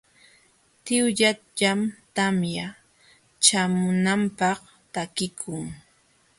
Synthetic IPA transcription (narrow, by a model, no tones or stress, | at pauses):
t̪ɪwʎa | ʎamt̪amja | t͡ʃamʊnampɑχ | t̪akɪkʰʊŋ